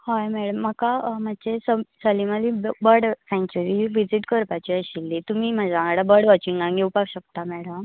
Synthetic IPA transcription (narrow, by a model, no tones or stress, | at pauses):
hojmɛɽəmːəkamat͡ɕesəsəlimalibəɾɽfɛ̃ŋt͡ɕəɾiʋid͡ziʈkəɾpat͡ɕiəɕilːit̪umiːm̤ad͡zaãɡaɽabəɾɽʋat͡ɕiŋɡãŋɡeupakɕəkt̪amɛɽəm